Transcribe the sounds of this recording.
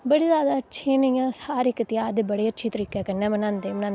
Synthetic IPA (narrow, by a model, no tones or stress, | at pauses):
bəɽiːzjaːd̪aːətːʃʰẽːnəjãːsaːɾɪkːt̪ɪjaːd̪bəɽeːətːʃʰiːt̪əɾiːkɛːkənɛ̃ːmənãːnd̪eːmnãːn